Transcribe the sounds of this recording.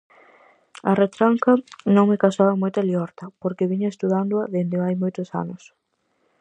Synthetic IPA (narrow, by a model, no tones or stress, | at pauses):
ɐret̪ɾaŋkɐnõŋmɪkasaβɐmojt̪aljɔɾt̪ɐpoɾkeβiɲʊest̪uðand̪ʊɐðend̪ɪajmojt̪ʊsa̰nʊs